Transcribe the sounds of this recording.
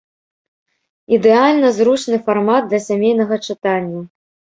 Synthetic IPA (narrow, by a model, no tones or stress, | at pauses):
id̪ɛalʲnɐzɾut͡ʂnɨfarmad̪̚d̪lʲɐsʲamʲejn̪ɐɣɐt͡ʂɨt̪anʲːɐ